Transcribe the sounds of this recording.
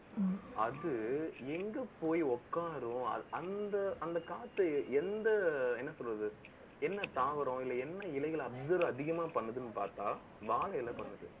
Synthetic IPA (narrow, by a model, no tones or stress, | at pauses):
ɐðɯɛŋɡɐpoːjiɔkːaːɾʊ̃ɐ̰ɐnd̪ɐɐnd̪ɐkaːt̪ːɯɛnd̪ɐɛnːɐsɔlrɐðɯ | ɛnːɐt̪aːʋɐɾʊ̃ɪlːɐɛnːɐɪlɐɪɣɐɭɐbzɐɾɐðɪɣɐmaːpɐɳːɐðɯnːɯpaːɾt̪aː | ʋaːɭɐjɪlɐpɐɳːɯðɯ̰